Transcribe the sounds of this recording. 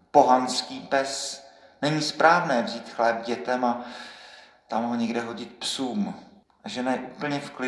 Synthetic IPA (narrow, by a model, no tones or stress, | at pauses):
po̞ɦanskiːpɛs | nɛɲiːspɾaːvnɛːvziːt̪xlɛːb̚ɟɛt̪ɛma | t̪amɦoɲɛɡdɛɦo̞ɟɪt̪̚psuːm | ʔaʒɛnajʔuːpl̩ɲɛfklɪ